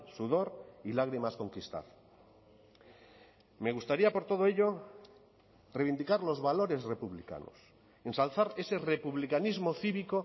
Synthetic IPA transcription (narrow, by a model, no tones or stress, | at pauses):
suðo̞ɾilaɣɾimasko̞ŋkist̪a̰ð | me̞ɣ̞ust̪aɾiapo̞ɾt̪o̞ð̞oe̞ʎo | rejβind̪ikaɾlo̞zβalo̞ɾe̞zre̞puβlika̰no̰s | e̞nsalθaɾe̞se̞re̞puβlikanizmo̞θiβiko